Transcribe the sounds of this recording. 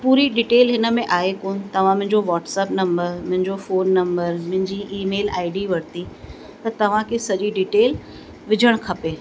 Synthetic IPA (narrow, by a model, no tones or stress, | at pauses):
puːɾiɖiːʈeːlɦɪnə̆mẽʔaːekoːnɪt̪ɐʋ̤ãmʊ̃ɦɪ̃ɲd͡ʑoʋɔːʈsɛːpnɐ̃mbəɾmʊ̃ɦɪ̃ɲd͡ʑofoːnːɐ̃mbəɾmʊ̃ɦɪ̃ɲd͡ʑiʔiːmeːla̰ːɪɖiʋɐɽ̤t̪i | t̪ɐt̪ɐʋ̤ãkʰesɐʄiɖiːʈeːl | ʋɪd͡ʑʱəɽ̃kʰɐpeː